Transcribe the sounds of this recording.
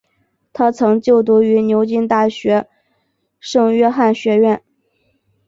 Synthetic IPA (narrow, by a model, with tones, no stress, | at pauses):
t̪ʰa˥t͡sʰɤ˧˥ŋt͡ɕjo˥˩ʊt̪̬u˧˥y˧˥njo˧˥ʊt͡ɕi˥˧nt̪a˥˩ɕɥɛ˧˥ | ʂɤ˥˧ŋɥɛ˥xa˥˩nɕɥɛ˧˥ɥɛ˥˩n